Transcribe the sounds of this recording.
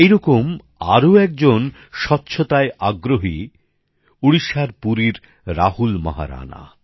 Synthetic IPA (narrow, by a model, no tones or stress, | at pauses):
ejɾɔkom | a̰ɾoɛk̚d͡ʑon | ʃɔtːɕʰot̪aeʔaɡɾoɦi | uɽiʃaɾpuɾiɾ | ɾahulma̰ɦa̰ɾa̰na̰